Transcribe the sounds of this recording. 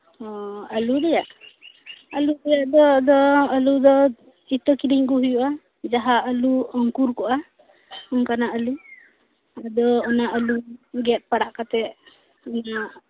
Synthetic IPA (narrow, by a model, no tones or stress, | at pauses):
ɔəlud̪ɛjaʔ | əlud̪ɛjaʔd̪ɔd̪ɔəlud̪ɔ | it̪ɔkiɾiɲkuɦujuʔa | d͡ʒaɦaʔəluɔŋkuɾkɔʔa | ɔŋkanaʔəlu | ad̪ɔɔnaʔəluɡɛt̪̚ˀpaɽaʔkat̪ɛ | ɔna